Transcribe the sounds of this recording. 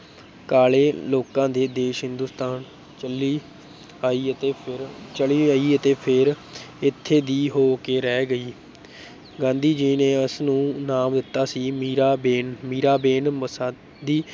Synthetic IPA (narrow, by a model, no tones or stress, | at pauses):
kaːleːloːkãːd̪eːd̪eːʃɦɪ̃nd̪uːst̪aːn | t͡ʃəliː | aːiːət̪eːɾt͡ʃəɭiːaːiːət̪eːpʰɪɾ | ɪt̪ʰːeːd̪iːɦoːkeːɾɛːɡəiː | ɡãːnd̪iːd͡ʒiːneːəsnũːnaːmd̪ɪt̪ːaːsiːmiːɾaːbeːnmiːɾaːbeːnməsãː | d̪iː